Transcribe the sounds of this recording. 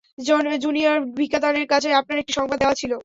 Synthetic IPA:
d͡ʑond͡ʑunioɾbʱikːat̪aneɾkat͡ɕʰeapnaɾek̚ʈiʃɔŋbad̪̚ːeowat͡ɕʰilo

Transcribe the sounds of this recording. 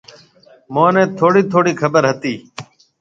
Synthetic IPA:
mõːnẽːt̪ʰoːɽiːt̪ʰoːɽiːkʰəbəɾɦət̪iː

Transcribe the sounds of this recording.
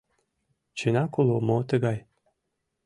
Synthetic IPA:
t͡ɕenɑkolˠomot̪ə̆ɡɑj

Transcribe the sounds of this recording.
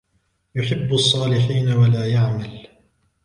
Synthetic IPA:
jʊħɪbːɑsˤːɑːlɪħiːnawalaːjaʕmal

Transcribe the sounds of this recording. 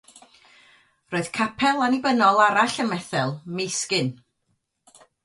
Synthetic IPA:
roːɨð̥kʰapʰɛlˠanibənɔlˠaɾaɬəmɛθɛlˠmejskɪn

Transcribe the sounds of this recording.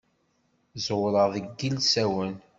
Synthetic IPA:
zwɾˤəʁðəɡːilsæwən

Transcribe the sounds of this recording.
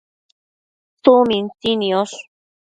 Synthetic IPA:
t͡sumint͡sinioɬ

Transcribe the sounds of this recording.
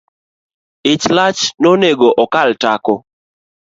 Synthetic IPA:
ɪt͡ʃlat͡ʃnoneɡoʔɔkaltakɔ

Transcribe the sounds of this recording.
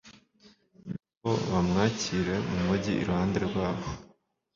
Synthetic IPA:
ni | oβamŋaːciɾe̞mumuɟiʔḭɾuhaːndeɾeɾwaːβo

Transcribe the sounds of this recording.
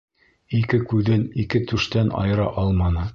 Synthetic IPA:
ikɘkʉðɘnikɘt̪ʉʃt̪ænɑ̰jɤ̆ɾɑʔɑlˠmɑnɤ

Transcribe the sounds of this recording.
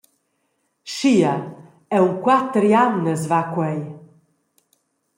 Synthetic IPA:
ʃia | ɛuŋkwat̪ɾianːəsvakwɛj

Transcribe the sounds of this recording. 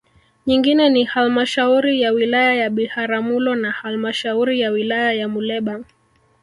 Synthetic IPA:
ɲiŋɡinɛnihalmaʃauɾijawilajajaɓihaɾamulɔnahalmaʃauɾijawilajajamulɛɓa

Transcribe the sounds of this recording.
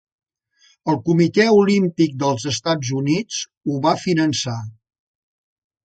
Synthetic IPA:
əlˠkumit̪ɛulimpik̚d̪əlˠzəst̪ad͡zzunid͡z | uβafinənsa

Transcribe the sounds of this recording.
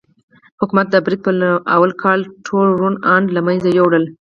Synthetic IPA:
hʊkumat̪̚d̪əbɾid̪̚pəla̰walkʰɑlʈʰolɾunɑɳɖlamanzajowɽəl

